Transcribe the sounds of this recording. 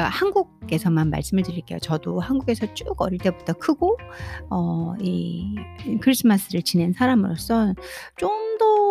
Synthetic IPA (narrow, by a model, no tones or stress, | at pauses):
ahanɡuɡk͈e̞sʰʌmanma̰ɭs͈ɯmɯɭtɯɾiɭk͈e̞jo̰t͡ɕʌdohanɡuɡe̞sʰʌt͡ɕ͈uɡʌɾiɭt͈e̞bud͈ʌkʰɯɡoʌi | kʰɯɾis͈ʰɯmas͈ʰɯɾɯɭt͡ɕine̞nsʰaɾamɯɾos͈ʌnt͡ɕ͈omdʌ